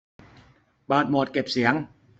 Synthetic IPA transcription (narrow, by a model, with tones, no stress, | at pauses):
baː˨˩t̪̚mɔː˨˩t̪̚ke˨˩p̚si˩˦əŋ